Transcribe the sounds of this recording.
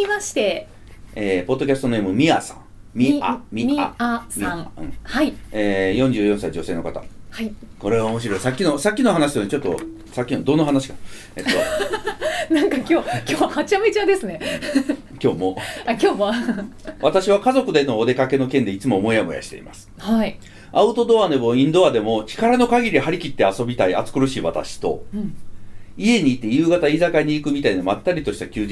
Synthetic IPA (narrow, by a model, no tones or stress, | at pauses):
imaɕi̥t̪e̞ | eːpo̞d̪ːo̞kʲasɨ̥t̪o̞ne̞ːmɯ̟mʲiasã̰ŋ | mʲia̰mʲia̰siãɯ̰̃haieːjõɲ̟d͡ʑɨːjõsaid͡ʑo̞se̞ːno̞kat̪a̰hai | ko̞ɾe̞aomo̞ɕiɾo̞isakʲːino̞sakʲːino̞ɦanaɕ̬isoɲit͡ɕo̞t̪ːo̞̰ | sakʲːinod̪o̞nːoɦanaɕi̥kḁ | eo | nãŋkakʲoːoːhat͡ɕamet͡ɕad̪e̞sɨne̞ | kʲo̞ːmoakʲoːmo | βat̪aɕiβ̞akazo̞kɯ̟d̪e̞noːd̪e̞kake̞no̞kẽ̞nd̪eit͡sɨmo̞ːmo̞iamoja̰ɕi̥t̪e̞̰ḭma̰sɨ̥hai | aɯ̟t̪o̞d̪oβane̞mo̞ĩnd̪o̞βad̪e̞mo̞t͡ɕi̥kaɾano̞kaɡʲiɾʲihaɾʲikʲit̪ːeaso̞bʲit̪aia̰t͡sɨ̥kɯ̟ɾɯ̟ɕiːβat̪a̰ɕi̥t̪o̞̰ | ie̞ɲ̟iːt̪ːe̞jɯ̟ːɡat̪aizakaɲ̟iːkɯ̟mʲit̪ainomat̪ːaɾʲit̪o̞ɕi̥t̪akʲɨː